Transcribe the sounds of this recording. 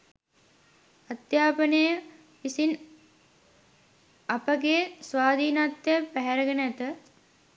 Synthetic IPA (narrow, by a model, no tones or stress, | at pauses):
at̪jaːpənəjə | pisin | apəɡesʋaːd̪iːnat̪jepæɦæɾəɡənəæt̪ə